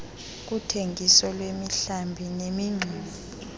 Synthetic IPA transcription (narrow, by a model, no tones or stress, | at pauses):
k̬utʰeŋʱisɔlwemiɬambʱinemiŋ͡ǀʱiːmi